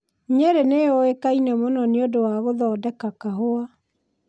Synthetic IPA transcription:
ɲeɾeneoekainɛmonɔneodowaɣoðɔːdɛkakaɦoa

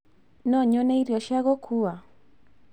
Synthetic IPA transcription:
nɔɲɔnɛiɾiɔʃjaɣɔkʰua

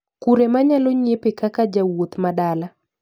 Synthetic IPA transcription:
kuɾemaɲaloɲepekakad͡ʒawot̪madala

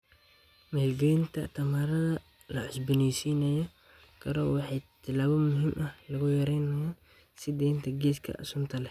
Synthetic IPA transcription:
mɐhɛɡɛɪnt̪ʰɐ̰t̪ʰɐmaːɾɐðɐ | lɐʕʊsbɪnɛjsiːnɐjɔ | kʰɐɾɔːwɑħɑjt̪ʰɪlaːβɐmʊɦimʔɐhlɐɣʊjɐɾɛjnɐjaːn | sɪd̪ɛːjnt̪ʰɐɡɛːskʰɐ̰ʔɐ̰sʊnt̪ʰɐlɛ

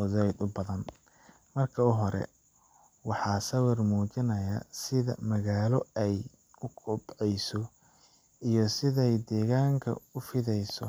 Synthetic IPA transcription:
ɔðɛjd̪ʊbɐðɐn | mɐrkʰɐʊɦɔɾɛ̰ | wɑħɑːsɐwɪrmuːt͡ʃɪnɐjɐsɪðɐ̰mɐɣaːlɔɛj | ʊkʊbʕɛjsɔ | ijɔsɪðɛjd̪ɛːɣaːŋkʰɐ̰ʊfɪðɛjsɔ

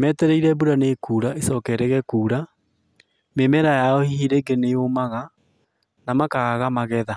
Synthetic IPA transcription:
mɛtɛɾɛiɾɛbuɾanekuːɾaʔesɔːkɛɾɛɣɛkuːɾa | memɛɾajaɔhihiɾeɡeneomaɣa | namakaɣaɣamaɣɛða

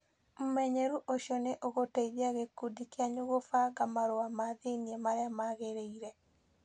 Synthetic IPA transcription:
m̩mɛɲeɾuʔoʃiɔneʔoɣotaiðiaɣekːudikjaɲoɣofaɡamaɾoamaðeniemaɾeamaɣeɾeiɾɛ

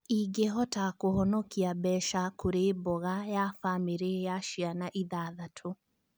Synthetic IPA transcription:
iɡeɦɔtakohɔnɔkiabɛʃakʰoɾeːbɔɣajafamiɾejaʃianaʔiðaðatʰo

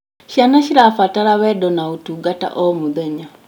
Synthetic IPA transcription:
ʃanaʃiɾafataɾaβɛdɔnautuɡata̰ʔɔmuðɛɲa

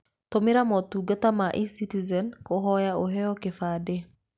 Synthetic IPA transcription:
tɔmɪɾamɔtuɡatamaʔisitizɛnkɔɦɔjaoɦɛɔkefade

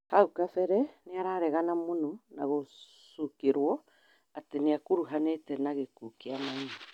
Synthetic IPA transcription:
haukafɛɾɛneaɾaɾɛɣanamonɔnaɣo | sukeɾwɔ | ateneakuɾuɦanetɛnaɣekukeamaiɲa

